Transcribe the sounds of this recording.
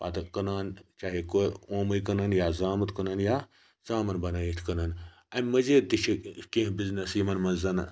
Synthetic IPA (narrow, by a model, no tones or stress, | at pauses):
pa̰ːt̪ɐkɐnaːnt͡ʃaːɦekooːmɐikɐnɐnjaːzaːmɐt̪kɐnɐnjaː | zaːmɐnbɐnaːjit̪ʲʰkɐnɐn | ɐmʲmɐzeːt̪it͡ʃʰikẽːɦbiznɐsiːmɐnmɐnzɐn